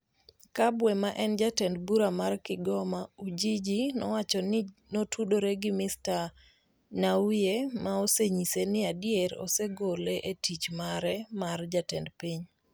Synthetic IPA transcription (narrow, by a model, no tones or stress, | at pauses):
kabwɛmaʔɛnd͡ʒatɛndbuɾamarkɪɡɔmaud͡ʒid͡ʒinɔ̰wat͡ʃɔnɪnotʰudoɾeɡɪmɪsta | nawjemaoseɲisenɪadjeɾɔ̰seɡoleʔetit͡ʃmaɾɛmard͡ʒatɛndpiɲ